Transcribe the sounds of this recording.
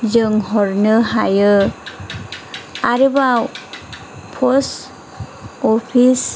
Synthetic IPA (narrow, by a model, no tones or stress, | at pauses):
zɯŋɦɔɹnɯɦajɯ | aɾɯbaw | pʰɔs | ɔpʰis